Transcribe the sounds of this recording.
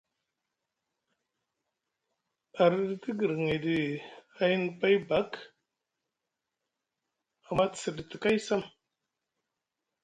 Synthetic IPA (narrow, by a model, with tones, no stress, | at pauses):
a˨ɾi˦dti˦ɡə˨ɾŋe˨di˨a˦ji˦n˦pa˦jba˦k | a˨ma˦tsə˨di˨ti˨ka˦jsa˦m